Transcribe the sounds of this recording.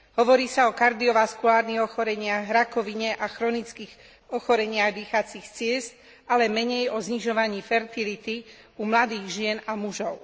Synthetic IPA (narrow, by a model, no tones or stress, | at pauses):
ɦɔʋɔɾiːsaɔkaɾd̪iɔʋaskulaːɾniɣɔxɔɾɛɲɪaɣɾakɔʋiɲɛʔaxɾɔnit͡skiɣ | ɔxɔɾɛɲɪaɣd̪iːxat͡sixt͡sɪɛst̪ | alɛmɛɲɛjɔzɲiʒɔʋaɲiːfɛɾt̪ilit̪i | umlad̪iːɣʒɪɛnamuʒɔʊ